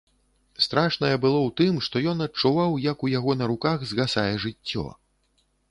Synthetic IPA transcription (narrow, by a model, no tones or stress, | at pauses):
st̪ɾaʂnɐjɛbɨlˠɔwt̪ɨmʂt̪ɔjɔnɐt͡ʂuvawjɐkujaɣɔnɐɾukaɣzɣasajɛʐɨt͡sʲːɔ̰